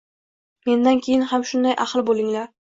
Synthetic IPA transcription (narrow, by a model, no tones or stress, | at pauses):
me̞nd̪ankʲʰejɪnhamʃʊnd̪ajʔaχlˠbolˠɪŋlaɾ